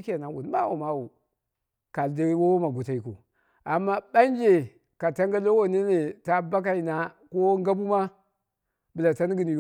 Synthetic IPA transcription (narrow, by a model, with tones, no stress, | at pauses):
kʲe˨na˨˦wṵ˨n˨˦ba˦wo̰˨ma˦wu˨ | ka˨lda˦ɾi˦wo˦wo˦ma˨ɡu˨ta˨i˨ko̰˨ | a˨mːa˦ɓa˦n˦d͡ʒe˨ | ka˨ta˦ŋɡa˦lo˦wo˦ni˦ne˨ta˦ba˦k̬a˦i˨na˨ko˦ŋɡa˦bu˦ma˦ | bɨ˨la˨ta˦n˦ɡi˨ni˨˦